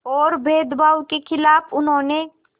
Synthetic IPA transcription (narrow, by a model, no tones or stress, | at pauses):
ɔːɾbʱeːd̪baːwkekʰɪlaːpʊnɦõːne